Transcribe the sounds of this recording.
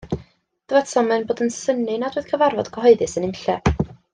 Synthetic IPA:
d̥əvɛtʰɔmɨnboːdənsənɨnadwɨːð̥kʰəvarvɔd̥ɡʰɔɦɔɨðɨsənɪmɬɛ

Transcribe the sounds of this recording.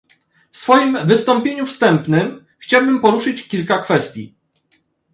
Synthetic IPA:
fsfɔjimvɘst̪ɔmpʲjeɲufst̪ɛmpnɘm | xt͡ɕawbɘmpɔɾuʂɘt͡ɕkʲilkakfɛst̪ʲjḭ

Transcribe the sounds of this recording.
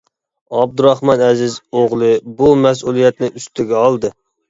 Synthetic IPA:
ɑb̚d̪uɾɑχmɑnɛzɪzoʁlˠɨbumɛs̬ulˠijɛt̪nɪyst̪ɪɡʲɛɑlˠd̪ɨ

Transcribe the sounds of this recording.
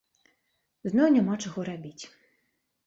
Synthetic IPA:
znɔjnʲɛmɑt͡ʃɔɣɔɾɐbʲitʲ

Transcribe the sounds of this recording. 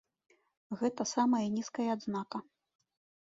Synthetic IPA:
ɣɛt̪ɐsamɐjɐnʲiskɐjɐːd̪znakɐ

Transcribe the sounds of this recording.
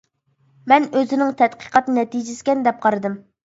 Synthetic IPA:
mɛnøzɪnɪŋt̪ʰɛt̪qʰə̥qʰɑt̪nɨnɛt̪id͡ʒɪsɪ̥kʲɛnd̪ɛp̚qʰɑɾɨd̪ɨm

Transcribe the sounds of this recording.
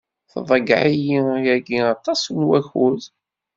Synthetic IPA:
θðˤəɡʕijijæɡiɑt̪ˤːɑsnwæçuð

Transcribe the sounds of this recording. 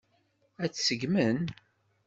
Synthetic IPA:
æt͡sːsəɡmən

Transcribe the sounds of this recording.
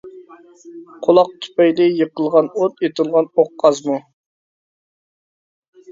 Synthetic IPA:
qʰolˠɑq̚t̪ʰy̥pɛjlɪjəqəlˠʁɑnot̪et̪ʰɨlˠʁɑnoqʰːɑzmu

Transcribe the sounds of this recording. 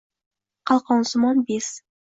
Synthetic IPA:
qʰɑlˠqɑnsmɑnbes

